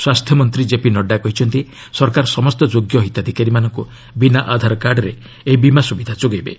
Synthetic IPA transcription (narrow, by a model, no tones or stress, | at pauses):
swast̪ʰjɔmɔnt̪ɾid͡ʒepinɔɖːakɔɦit͡ʃʰɔnt̪i | sɔɾkaɾɔsɔmɔst̪ɔd͡ʒoɡjɔɦit̪ad̪ʱikaɾimanɔŋku | binaʔad̪ʱaɾɔkaɾɖɔɾe | eibimasubid̪ʱat͡ʃoɡajbḛ